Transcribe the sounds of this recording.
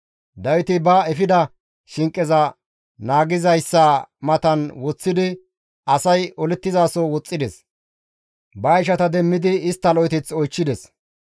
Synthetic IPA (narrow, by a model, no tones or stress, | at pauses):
d̪ɐwɪt̪ɪbɐɛfɪd̪ɐ | ʃɪŋkʼːɛzɐ | naːɡɪzɐjsːamɐt̪ɐnwɔt͡sːɪd̪ɪ | ɐsɐjɔlɛt̪ːɪzaːsɔwɔt͡sʼːɪd̪ɛs | bɐɪʃɐt̪ɐd̪ɛmːɪd̪ɪɪst̪ːɐlɔjt̪ɛt͡sɔjt͡ʃːɪd̪ɛs